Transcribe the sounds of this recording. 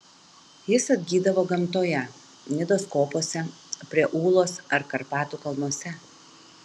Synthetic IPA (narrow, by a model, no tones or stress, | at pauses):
jɪsɐd̪ʲɡʲiːd̪ɐʋoːɡɐmt̪oːjɛ | nʲɪd̪oskoːpoɔsʲɛ | pʲɾʲiɛʔuːlˠoːsɐɾkɐɾpɑːt̪uːkɐlˠnuɔsʲɛ